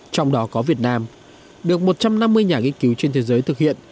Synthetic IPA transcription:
t͡ɕɔ˧wŋ͡mɗɔ˨˦kɔ˨˦vi˨˩ət̚naː˧m | ɗɨ˨˩ək̚mo˨˩t̚t͡ɕa˧mna˧mːɨ˧əjɲaː˨˩ŋi˧ənki˨˦wt͡ɕe˧nt̪ʰe˨˦zəː˨˦jt̪ʰɨ˨˩k̚hḭ˧˨ən

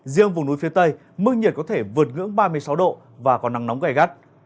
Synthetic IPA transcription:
zḭ˧˨əŋvʊ˨˩ŋ͡mnu˨˦jfi˨˦ət̪ə˧j | mɨ˧ŋɲi˨˩t̚kɔ˨˦t̪ʰe˧˩vɨ˨˩ət̚ŋɨ̰˧˥əŋɓaː˧mɨ˧əjsa˨˦wɗo̰˧˨ | vaː˨˩kɔ˨˩nːa˨˦ŋnɔ˨˦wŋ͡mɣaː˧˩jɣa˦˥t̚

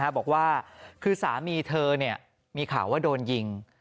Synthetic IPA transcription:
a˦˥bɔː˨˩k̚waː˥˩kʰɯː˧saː˩˦miː˧t̪ʰɤː˧ni˥˩ɐ | miː˧kʰa̰ː˨˩˦waː˥˩doː˧nji˧ŋ

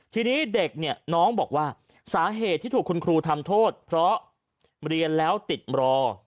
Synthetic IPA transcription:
t̪ʰiː˧niː˦˥de˨˩k̚ni˥˩ɐnɔː˦˥ŋbɔː˨˩k̚waː˥˩ | saː˩˦ɦeː˨˩t̪ʰːiː˥˩t̪uː˨˩kʰːu˧nkʰɾuː˧t̪ʰa˧mt̪ʰoː˥˩t̪̚pʰɾɔ˦˥ | ɾi˧ənlɛː˦˥wt̪i˨˩t̪̚ɾɔː˧

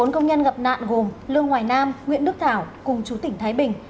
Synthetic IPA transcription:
o˨˦nkə˧wŋ͡mɲə˧nɣə˨˩p̚na̰ː˧˨nɣo˨˩mlɨ˧əŋːwaː˨˩jnaː˧mŋwḭ˧˨ənɗɨ˦˥ək̚t̪ʰaː˧˩wkʊ˨˩ŋ͡mt͡ɕu˨˦t̪ï˧˩ŋ̟t̪ʰaː˨˦jɓï˨˩ŋ̟

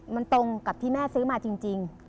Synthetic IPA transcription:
ma˧nt̪o˧ŋka˨˩p̚t̪ʰiː˥˩mɛː˥˩sɯː˦˥maː˧t͡ɕi˧ŋt͡ɕi˧ŋ

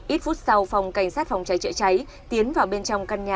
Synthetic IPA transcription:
ʔi˦˥t̚fu˦˥t̚sa˧wfɔ˨˩wŋ͡mka˧˩jŋ̟saː˦˥t̚fa˨˩wŋ͡mt͡ɕa˨˦jt͡ɕə̰ː˧˨˦t͡ɕa˨˦j | t̪i˨˦ənvaː˨˩wɓe˧nt͡ɕɔ˧wŋ͡mkaː˧nɲaː˨˩

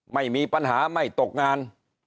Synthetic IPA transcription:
ma˥˩jmiː˧pa˧nɦaː˩˦ma˥˩jt̪o˨˩k̚ŋaː˧n

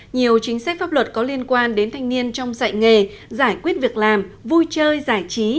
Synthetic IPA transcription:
ɲi˨˩əwt͡ɕï˨˦ŋ̟sa˦˥k̟̚faː˦˥p̚lwə˨˩t̚kɔ˨˦li˧ənkwaː˧nɗe˨˦nt̪ʰa˨˧jŋni˧ənt͡ɕɔ˧wŋ͡msa̰˧˨jŋe˨˩zaː˧˩jkwi˦˥ət̚vi˨˩ək̚laː˨˩mvu˧jt͡ɕəː˧jzaː˧˩jt͡ɕi˨˦

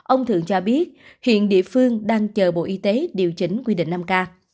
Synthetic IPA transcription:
ʔə˧wŋ͡mt̪ʰɨ̰˧˨əŋt͡ɕɔ˧ɓi˦˥ət̚ | hḭ˧˨ənɗḭ˧˨əfɨ˧əŋɗaː˧ŋt͡ɕəː˨˩ɓo̰˧˨ʔi˧˦t̪e˨˦ɗi˨˩əwt͡ɕï˨˦ŋ̟kwi˧ɗḭ̈˧˨ŋ̟naː˧mkaː˧

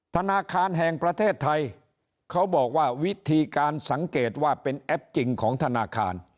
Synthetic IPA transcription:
t̪ʰa˧naː˧kʰaː˧nɦɛ˨˩ŋpɾa˧t̪ʰeː˥˩t̪ʰːa˧j | kʰa˦˥wbɔː˨˩k̚waː˥˩wi˦˥t̪ʰiː˧kaː˧nsa˩˦ŋkeː˨˩t̪̚waː˥˩pe˧nʔɛ˦˥p̚t͡ɕi˧ŋkʰɔː˩˦ŋt̪ʰa˧naː˧kʰa̰ː˧n

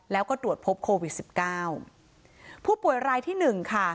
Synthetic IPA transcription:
lɛː˦˥wkɔː˥˩t̪ɾu˨˩ət̪̚pʰo˦˥p̚kʰoː˧wi˨˩t̪̚si˨˩p̚kaː˥˩w | pʰuː˥˩pu˨˩əjɾaː˧jt̪ʰiː˥˩nɯ˨˩ŋkʰa˥˩

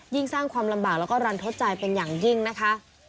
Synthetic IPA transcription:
ji˥˩ŋsaː˥˩ŋkʰwaː˧mla˧mbaː˨˩k̚lɛː˦˥wkɔː˥˩ɾa˧nt̪ʰo˦˥t̪̚t͡ɕa˧jpe˧njaː˨˩ŋji˥˩ŋna˦˥kʰa˦˥ʔ

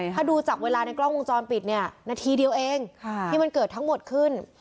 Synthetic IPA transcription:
aː˥˩duː˧t͡ɕaː˨˩k̚weː˧laː˧na˧jklɔ˥˩ŋʔo˧ŋt͡ɕɔː˧npi˨˩t̪̚ni˥˩ɐnaː˧t̪ʰiː˧di˧əwʔeː˧ŋkʰːt̪ʰiː˥˩ma˧nkɤː˨˩t̪ʰːa˦˥ŋmo˨˩t̪̚kʰɯ˥˩n

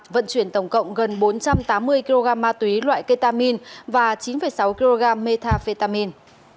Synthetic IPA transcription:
və̰˧˨nt͡ɕwi˧˩ənt̪ə˧˩wŋ͡mkə̰˧˨wŋ͡mɣə˨˩nɓo˨˦nt͡ɕa˧mt̪aː˨˦mːɨ˧əjki˧lo˧ɣaː˧mːaː˧t̪wi˨˦lwa̰ː˧˨jkə˧t̪aː˧mi˧nvaː˨˩t͡ɕi˨˦nfə˨˩jsa˨˦wki˧lo˧ɣaː˧mːe˧t̪ʰaː˧fe˧t̪aː˧mi˧n

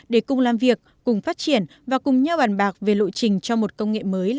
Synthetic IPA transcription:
ɗe˧˩kʊ˨˩ŋ͡mlaː˨˩mvi˨˩ək̚ːʊ˨˩ŋ͡mfaː˦˥t̚t͡ɕi˧˩ən | vaː˨˩kʊ˨˩ŋ͡mɲaː˧wɓaː˨˩nɓaː˨˩k̚ve˨˩lo̰˧˨jt͡ɕï˨˩ŋ̟t͡ɕɔ˧mo˨˩t̚kə˧wŋ͡mŋḛ˧˨məː˨˦j

